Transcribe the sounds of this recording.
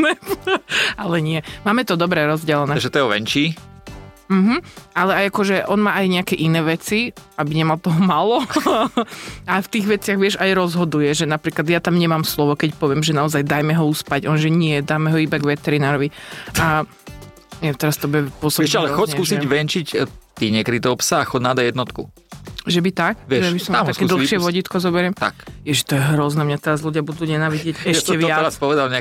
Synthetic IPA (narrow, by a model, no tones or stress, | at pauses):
nɛ | alɛɲɪɛmaːmɛt̪ɔd̪ɔbɾɛɾɔzɟɛlɛnɛːʒɛt̪ɔɛɔʋɛ̰nt͡ʃiː | m̩ɦm̩alɛajakɔʒɛʔɔnmaːʔajɲɛakɛʔinɛːʋɛt͡siʔabiɲɛmalt̪ɔɦɔmalɔ | aft̪iːɣʋɛt͡sɪaɣʋɪɛʒajɾɔzɦɔd̪ujɛʒɛnapɾiːklˠad̪jat̪amɲɛmaːmslɔʋɔkɛcpɔʋɪɛmʒɛnaɔzajd̪ajmɛɦɔuspaɟɔnʒɛɲɪɛd̪aːmɛɦɔibaɡʋɛt̪ɛɾinaːɾɔʋia | jat̪ɛɾast̪ɔbɛpʊɔsɔbɛʃalɛxɔskuːsiɟʋɛnt͡ʃict̪iːɲɛkɾit̪ɛpsaxɔdnad̪ajɛd̪nɔt̪kṵ | ʒɛbit̪ak̚ʋɪɛʒɛbisɔmaakɛd̪l̩xʃɪɛʋɔɟiːt̪kɔzɔbɛɾɛmt̪a̰kjɛʒɛt̪ɔjɛɦɾɔznɛːmɲat̪ɛɾazluɟɪabud̪uːɲɛnaːʋiɟɪɛcɛʃtɛʋɪaɾaspɔʋɛd̪alɲɛa